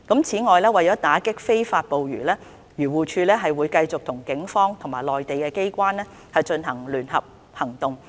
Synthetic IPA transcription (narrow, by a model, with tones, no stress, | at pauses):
kɐ˨˥mt͡sʰiː˨˥ŋɔː˨jlɛː˥wɐ˨jt͡sɔː˨˥t̪aː˨˥kɪ˥k̚fe˥jfaː˧t̚po˨wɥyː˨˩lɛː˥ | ɥyː˨˩wuː˨t͡ʃʰyː˧lɛː˥ɦɐ˨jwuː˨˧jkɐ˧jt͡sʊ˨k̚t̪ʰʊ˨˩ŋkɪ˨˥ŋfɔː˥ŋt̪ʰʊ˨ŋmaː˨˩jlɔː˨jt̪e˨jkɛː˧ke˥jkʷaː˥nlɛː˥ | hɐ˨jt͡ʃɵ˧nɦɐ˨˩ŋlyː˨˩nhɐ˨p̚ | hɐ˨˩ŋt̪ʊ˨ŋ